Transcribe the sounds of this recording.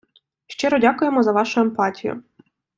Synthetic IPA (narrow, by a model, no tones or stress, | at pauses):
ʃt͡ʃɛɾɔdʲakʊjemɔzɐʋɑʃʊempɑtʲijʊ̰